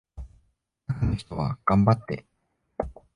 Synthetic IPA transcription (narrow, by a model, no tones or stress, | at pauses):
akanoçi̥t̪o̞βa̰ɡ̥ãmbat̪ːe̞̰